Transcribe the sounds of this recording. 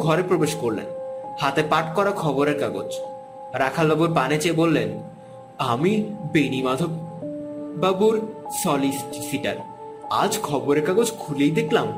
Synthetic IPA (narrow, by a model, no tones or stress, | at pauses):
ɡʱɔɾepɾobeʃkoɾlḛnhat̪epaʈkɔɾakʰɔboɾeɾkaɡo̰d͡ʑ | ɾakʰalbabuɾpanet͡ɕebolːen | amibenimad̪ʱob | babuɾsɔlissiʈa̰ɾ | a̰d͡ʑkʰɔboɾeɾkaɡod͡ʑkʰulejd̪ekʰlam